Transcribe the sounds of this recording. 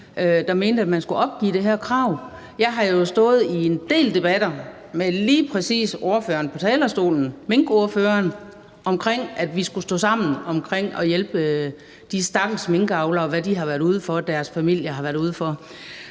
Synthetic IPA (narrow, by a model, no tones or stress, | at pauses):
ød̥ɑ̈me̝ːnd̥əæd̥mænsɡ̥uɒ̽b̥̚ɡ̥ḭːd̥e̝ɦæɐ̰kʰʁɑ̈ʊ̰ | jɑ̈ɪɦɑ̈jo̝sd̥ɔ̽ːð̞̩ˠie̝nd̥e̝̰ːld̥e̝b̥æd̥ɐ | meliːpʰʁɛsḭːso̝ɐføːɐːn̩pʰɒ̽t͡sʰɛːlɐsd̥o̝̰ːln̩meŋɡ̥o̝ɐføːɐn | ʔɒ̽mkʰʁeŋ̰æd̥ʋisɡ̥usd̥ɔ̰̽ːsɑ̈m̰n̩ɒ̽mkʰʁeŋ̰ɒ̽jelb̥ə | d̥isd̥ɑ̈ɡ̥l̩sme̝ŋɡ̥ɑ̈ʊlɐɒ̽ʋæd̥iɦɑ̈ʋæɐɾ̥uð̞ˠəfɒ̽d̥æɐsfæmil̰jɐɦɑʋæɐɾuð̞ˠfɒ